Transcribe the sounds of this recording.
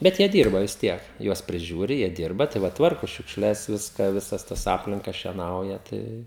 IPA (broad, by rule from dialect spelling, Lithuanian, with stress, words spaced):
ˈbʲɛt jiɛ ˈdʲiːrbɐ ʋʲɪs ˈtʲiɛk ˈjuɔs pʲrʲɪˈʒʲuːrʲɪ jiɛ ˈdʲiːrbɐ tɐɪ ˈʋɐ ˈtʋɐrkʊ ʃʲʊkʃʲˈlʲɛs ˈʋʲɪskɑː ˈʋʲɪsɐs ˈtɐs ˈɑːpʲlʲɪŋkɐ ʃʲiɛˈnɐʊjɛ ˈtɐɪ